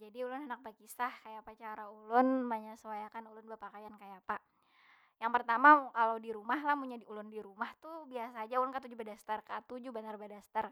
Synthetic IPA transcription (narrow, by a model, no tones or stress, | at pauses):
d͡ʒadiulʊnanak̚bakisahkajapat͡ʃaɾaulʊnmaɲasəwajakanulʊnbəpakajankajapa | jaŋpərt̪amakaladiɾumaɦlahmuɲadiulʊndiɾumaht̪ubiasaːd͡ʒaulʊnkat̪̬ud͡ʒubadast̪arkat̪ud͡ʒubanarbadast̪ar